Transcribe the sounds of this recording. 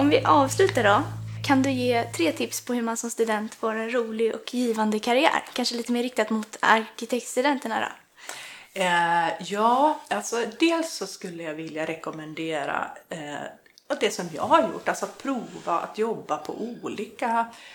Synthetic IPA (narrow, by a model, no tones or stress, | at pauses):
ɔmvɪʔɑːvslʉ̟ːt̪aɖɔkʰand̪ɵjeːt̪ʰɾeːt̪ʰɪpspʰɔhɵɾmansɔmst̪ɵd̪ɛnt̪foːɾɛnɾuːlɪɡɔ̰kjiːvand̪əkʰaɾɪæ̰ːɾkʰanʂəliːt̪əmeːɾːɪk̚t̪at̪mʊt̪a̰ɾkɪt̪ʰɛk̚t̪st̪ɵd̪ɛnt̪əɳad̪ɔ̰ | jɑːalsɔd̪eːlsːɔskɵlːəjavɪljaɾɛkɔmɛnd̪eːɾa̰ | d̪ɛsɔmjɑ̰ːɡhaɾjʊ̰ʈːalsɔat̪̚pʰɾuːva̰a̰t̪jɔbːapʰɔ̰ʔuːliːka